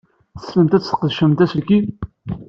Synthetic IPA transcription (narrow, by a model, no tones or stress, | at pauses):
θəsləmt̪æt͡sːə̥qðʃəmt̪æsəlki